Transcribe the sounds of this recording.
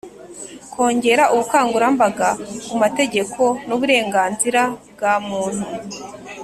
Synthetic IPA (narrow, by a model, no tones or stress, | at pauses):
kʰo̞ːɲɟe̞ɾaʔuβukaːŋɡuɾambaɡakumate̞ɟe̞kʰo̞nuβuɾe̞ːŋɡaːnziɾabɡaːmuːn̥hu